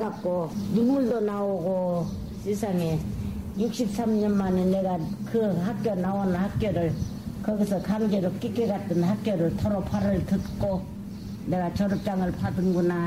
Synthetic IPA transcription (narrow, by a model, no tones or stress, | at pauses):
ɡat̚k͈ojunmuɭdonaoɡo | sʰesʰaŋe | juk̚ɕ͈ip̚s͈amɲʌnmanene̞ɡakɯhak̚k͈joɭnawonɯnɦak̚k͈joɾɯɭ | kʌɡisʰʌkaŋɡeɾok͈ik͈eɡat͈ɯnhak̚k͈joɾɯɭtʰoɾʌpʰaɾɯɭtɯt̚k͈o | ne̞ɡat͡ɕʌɾɯp̚t͡ɕ͈aŋɯɭpʰadɯnɡuna